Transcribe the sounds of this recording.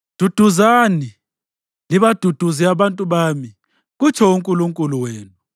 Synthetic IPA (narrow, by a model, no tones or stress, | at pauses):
d̥ʱud̥ʱuzani | liβad̥ʱud̥ʱuziaβantʼuβami | ɣ̬ut͡ʃʰɔuŋkʼuluŋkʼuluweːnu